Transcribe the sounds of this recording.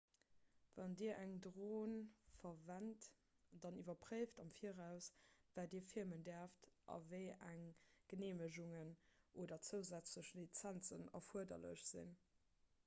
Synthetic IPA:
vɑndiːɐʔæŋdʁoːnfɐvænt | d̥ɑnivɐpʁəɪftɑmfiːəʁæʊsvaːdiːɐfiɐməndɛɐftʔɑ̰vəɪæŋɡ̥əneːməʑuŋənʔoːdɐt͡səʊzæt͡sləɕəlit͡sænt͡sənɑ̰fuɐdɐ̰lə̰ɕz̥ḭn

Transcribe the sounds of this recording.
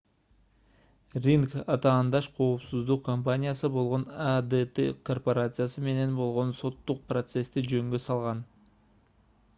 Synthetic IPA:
rʲiŋkɑt̪ɑːnd̪ɑʃqʰo̞ːpsuzd̪uqkompanʲɪjasɯbo̞lˠʁo̞nad̪et̪ḛkʰo̞rpoɾat̪sɨjasɯme̞ne̞nbo̞lˠʁo̞nso̞t̪ːuq̚prot̪se̞st̪id͡ʒø̞ŋɡøsɑlˠʁɑn

